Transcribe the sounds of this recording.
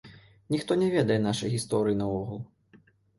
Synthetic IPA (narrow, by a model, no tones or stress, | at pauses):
nʲixt̪ɔnʲɛvʲɛd̪ɐjɛnaʂɐjɣʲist̪ɔɾɨjinɐvɔɣulˠ